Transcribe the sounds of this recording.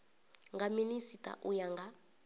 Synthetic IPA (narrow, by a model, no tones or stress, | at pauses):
ŋɡʱaminisitʼa̰ʔujaŋɡa